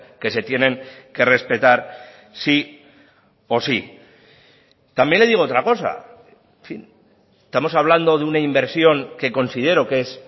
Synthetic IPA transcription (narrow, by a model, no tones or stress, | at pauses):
ke̞se̞t̪je̞ne̞ŋke̞re̞spe̞t̪aɾ | si | o̞si | t̪ambje̞nleðiɣoot̪ɾako̞sa̰ | ɱfin | est̪amo̞saβ̞land̪o̞ðeunaimbe̞ɾsjo̞ŋke̞ko̞nsið̞e̞ɾo̞kes